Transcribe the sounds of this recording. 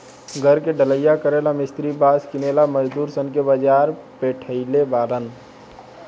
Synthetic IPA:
ɡʱəɾkeɖələjakəɾelamist̪ɾibaskinelaməd͡ʒd̪uɾsənkebəd͡ʒaɾpeʈʰəɪlebaɾən

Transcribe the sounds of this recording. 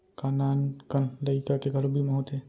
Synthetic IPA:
kanaːnkənləɪkakeɡʱəlobʱimeɦoːt̪e

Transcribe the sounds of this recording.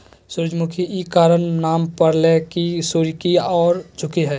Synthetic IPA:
sʊɾd͡ʒmʊkʰiikaːɾənnaːmpəɾlekisuɾikiɔːɾd͡ʒʰʱʊkiɦɛː

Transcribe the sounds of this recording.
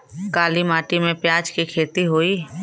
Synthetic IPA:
kaːlimaːʈimẽpjaːd͡ʒkikʰeːt̪iɦoːiː

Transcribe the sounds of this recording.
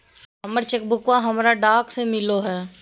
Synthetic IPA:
ɦɦɐməɾt͡ʃɐk̚bʱʊkwaɦɐmɾaɖaːksemɪloɦɛː

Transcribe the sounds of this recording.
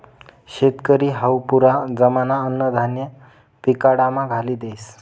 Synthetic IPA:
ɕet̪kəɾiːɦawpuɾad͡zəmanaənːəd̪ʱanjə | pikaɽamaɡʱaliːd̪ejs

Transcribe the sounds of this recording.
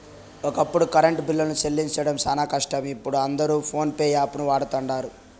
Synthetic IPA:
ɔkɐpːuɽukɐɾɐɳʈbilːɐlnut͡ʃelːiɲt͡ʃɐɽɐmsɐːnaːkɐʂʈɐmipːuɽuɐnd̪ɐɾuːpʰo̞ːnpeːjaːpunuʋaːɽɐt̪ɐɳɖaːɾu

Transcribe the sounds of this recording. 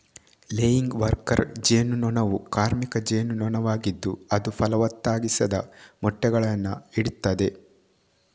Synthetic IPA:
leːjiŋɡʋɐɾkɐɾd͡ʒeːnunɔnɐʋukaːɾmikɐd͡ʒeːnunɔnɐʋaːɡid̪ːuɐd̪upɐlɐʋɐt̪ːaːɡisɐd̪ɐmɔʈːɛɡɐɭɐnːɐiɽut̪ːɐd̪e̞

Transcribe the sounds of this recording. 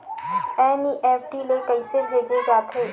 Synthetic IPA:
ɛ̃ːniʔeːpʰʈileikəisebʱeːd͡ʒed͡ʒaːt̪ʰeː

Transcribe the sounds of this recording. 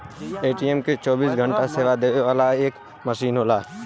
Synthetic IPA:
eːʈiɛmket͡ʃɔːbiːs̬ɡʱə̃ɳʈaseːʋad̪eːeʋaːlaeːk | məʃiːnɦoːlaː

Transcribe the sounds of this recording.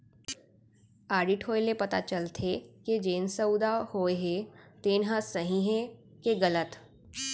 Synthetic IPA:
aːɾɖɪʈʰɦoːelepɐt̪a̰t͡ʃəlt̪ʰeked͡ʒeːnsəʊd̪ahoːeɦet̪eːnɦãsəɦĩɦɛ̃ | keɡələt̪

